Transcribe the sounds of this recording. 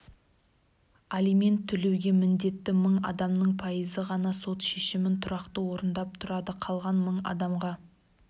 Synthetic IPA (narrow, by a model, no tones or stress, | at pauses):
alime̞nt̪ʰːʏle̞wɡʲe̞mɪnd̪e̞t̪ːɪməɴɑ̰d̪ɑmnəɴpʰɑjəzəʁɑnɑso̞t̪ʃe̞ʃɪmɪnt̪ʰʊɾɑqt̪əwo̞ɾənd̪ɑp̚t̪ʰʊɾɑd̪əqʰɑlˠʁɑnməɴɑ̰d̪ɑmʁɑ